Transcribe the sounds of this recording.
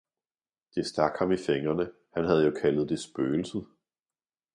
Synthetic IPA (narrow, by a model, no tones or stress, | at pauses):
d̥e̝sd̥ɑ̈ɡ̥hɑ̈mifeŋɐnə | hænɦæð̞ˠjokʰælð̩ˠd̥e̝sb̥øːl̩səð̩ˠ